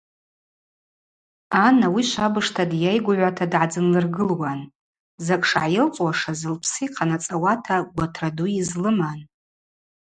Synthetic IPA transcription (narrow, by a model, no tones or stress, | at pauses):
anawiʃʷabɨʂtʰadjajɡʷʊʕʷatʰadʕad͡zɨnlɨrɡɨlwan | zakʼʂʕajɪlt͡sʼwaʂazɨlpʰsijqʰanat͡sʼawatʰaɡʷatʰraduizlɨman